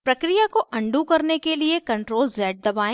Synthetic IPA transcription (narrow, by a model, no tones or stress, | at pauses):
pɾɐkɾijakoʔɐ̃ɳɖukɐɾnekeliekɐ̃ɳʈɾoːlzɛːʈ̚d̪ɐbaːẽ